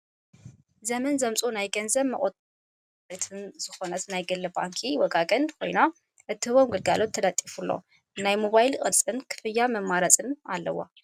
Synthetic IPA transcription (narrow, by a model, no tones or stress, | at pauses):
zɐmɐnzɐmt͡sʼonajɡɐnzɐβmɐkʼot̪ʼ | ɾit̪ʰɨnz̥ɨxo̞nɐt̪najɡɐlːɐbaŋkʰiwɐɡaɡʼɐnkʰo̞jna | ʔɨt̪ʰːɨhɨβomɡɨlɡalo̞t̪ʰːɐd̪ɐt̪ʼːifulːo̰ | najmoβajlkʼɨd̪t͡sʼɨnkʰɨ̥fɨjːamɐmːaɾɐt͡sʼɨna̰lːɐ̰wːa̰